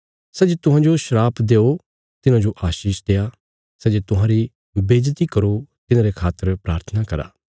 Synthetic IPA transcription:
sɛːd͡ʒet̪ʊɦãːd͡ʒoʃəɾaːpʰd̪eːo | t̪ɪnãːd͡ʒoʔaːʃiːʃd̪eːaː | sɛːd͡ʒet̪ʊɦãːɾi | beːd͡ʒt̪iːkəɾot̪ɪnãːɾekʰaːt̪əɾpɾaːɾt̪ʰənakɐɾa̰ː

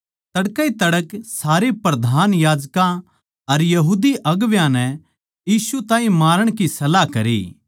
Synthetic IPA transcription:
t̪ɐɽkait̪ɐɽəksaːɾipɾɐd̪ʱaːnjaːd͡ʒkã | ɐɾjɐɦuːd̪iʔɐɡʋjãnɛ | jiːsut̪ãːɦĩmaːɾəɽ̃kisɐlakɐɾḭː

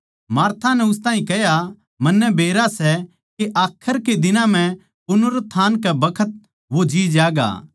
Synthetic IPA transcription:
maːɾt̪ʰanɛ̃ʊs̬t̪aːɦĩkɛɦja | mɐnːɛbʱeːɾasɛ | keʔaːkʰːəɾked̪ɪnãm̤ɛ̃ | pʊnʊɾət̪ʰːaːnkɛbɐkʰət̪̚ | ʋod͡ʒiːd͡ʒaːɡa̰ː

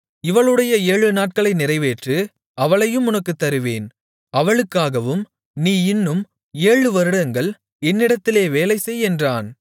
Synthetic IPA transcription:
ɪʋɐɭɯɽɐjɐeːɻɯnaːʈ̚kɐɭɐɪnɪrɐɪʋeːʈrɯ | ɐʋɐɭɐjɯmʊnɐkːɯt̪ːɐɾɯʋeːn | ɐʋɐɭɯkːaːɣɐʋɯm | niːɪnːɯm | eːɻɯʋɐɾɯɽɐŋɡɐɭ | ɛnːɪɽɐt̪ːɪleːʋeːlɐɪsɛjɛndraːn

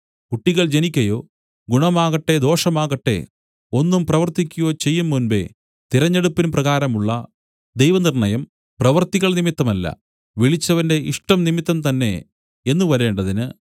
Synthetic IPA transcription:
kuʈːiɣɐɭd͡ʑe̞nikʲːɐjo̞ː | ɡuɳɐmaːɣɐʈːe̞d̪o̞ːʂɐmaːɣɐʈːe̞̰ | o̞nːumprɐʋɐrt̪ikʲːujo̞ːt͡ɕe̞jːumːunbe̞̰ | t̪iɾɐɲːeɽupːinprɐɣaːɾɐmuɭːɐ | d̪ejʋɐnirɳɐjɐm | prɐʋɐrt̪iɣɐɭnimit̪ːɐmɐlːɐ̰ | ʋiɭit͡ɕːɐʋɐnde̞ʔḭʂʈɐmnimit̪ːɐmt̪ɐnːe̞̰ | enːuʋɐɾe̞ːɳɖɐðinɨ

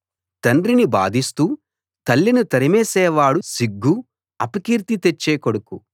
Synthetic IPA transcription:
t̪ɐɳɾiniba̰ːd̪ist̪uː | t̪ɐlːinut̪ɐɾimɛːsɛːʋaːɽusiɡːu | ɐpɐkiːɾt̪it̪et͡ʃːeːkoɽuku

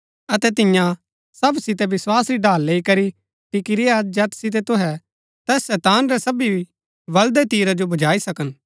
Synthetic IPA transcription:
ɐt̪ɛt̪̬ɪ̃jã | sɐbsɪt̪ɛbɪswaːsɾiɖʱaːlːeːikɐɾi | ʈɪkiɾiad͡ʒɐt̪sɪt̪̬ɛt̪ʊɦɛ | t̪ɛːsːɛːt̪aːnɾɛsɐbibi | ʋɐld̪ɛt̪iːɾad͡ʒobɐd͡ʒaːisɐkən

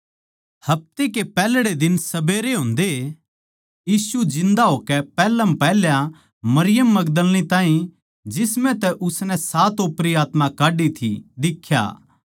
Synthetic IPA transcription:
hɐp̚t̪ekepɛːlɽed̪ɪnsɐbeːɾeɦõːnd̪e | jiːsud͡ʒɪ̃nd̪aɦoːkɛpɛːləmpɛːljã | mɐɾɪjəmːɐɡd̪əlnĩt̪ãːɦĩ | d͡ʒɪsmɛ̃t̪ɛʔʊsnɛ̃saːt̪opɾiaːt̪mãkaːɖit̪ʰḭd̪ɪkʰːja̰ː

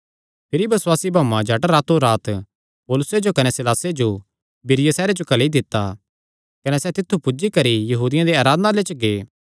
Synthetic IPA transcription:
pʰɪɾibɐswaːsibʱaːmãd͡ʒʱɐʈɾaːt̪uɾaːt̪ | poːlʊsed͡ʒokɐnɛsɪlaːsed͡ʒo | bɪɾɪjəsɛːɾed͡ʒokɐlid̪ɪt̪ːa | kɐnɛsɛt̪ɪt̪ʰːupʊd͡ʒikɐɾijɐɦuːd̪ɪjãd̪eaːɾaːd̪ənãlet͡ʃɡeː

